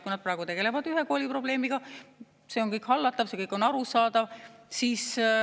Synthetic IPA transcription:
kujnɑd̪̚prɑːeɡ̥ut̪e̞ɡ̥e̞le̞vɑd̪yɦe̞ko̞ːlʲipro̞ble̞ːmiɡ̥ɑ | se̞o̞ŋkɤjkhɑlːɑt̪ːˑɑvse̞kɤjkˑo̞nɑɾusɑːd̪ɑvsiːs

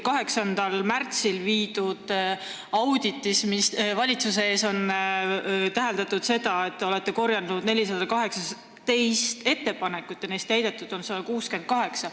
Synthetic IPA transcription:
kɑɦe̞ksɑnd̪̥ɑlmært̪silviːd̪̥ud̪̥ | ɑwd̪̥it̪ːˑismisvɑlʲit̪suse̞e̞ːso̞n | t̪æɦeld̪ɑt̪ːˑud̪se̞d̪ɑe̞t̪ːeole̞t̪ːe̞ko̞rjɑld̪unud̪nelʲisɑd̪̥ɑkɑɦe̞ksɑs | t̪e̞jst̪e̞t̪ːe̞pɑne̞kːut̪ːˑene̞ːst̪ːæjd̪̥e̞t̪ːˑud̪̥o̞nsɑd̪ɑkuːske̞nd̪̥̚kɑɦe̞ksɑ

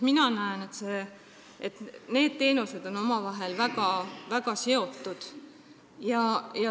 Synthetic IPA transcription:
minɑnæene̞t̪se̞ | ʔet̪ne̞ːd̪̥̚t̪e̞ːnuse̞d̪̥o̞no̞mɑvɑɦe̞lvæɡ̥ɑvæɡ̥ɑse̞o̞t̪ːˑud̪̥ | jɑjɑ

